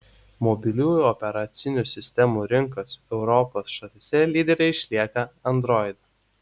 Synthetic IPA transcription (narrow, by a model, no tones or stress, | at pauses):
mɔbʲɪlʲuːjʊɔpʲɛɾɐt̪sʲɪnʲusʲɪsʲt̪ʲɛmuːɾʲɪŋkosɛʊɾɔpoːsʃɐlʲɪsʲɛlʲiːd̪ʲɛɾʲɛɪɪʃʲlʲiɛkɐɐnd̪ɾɔɪd̪ɐ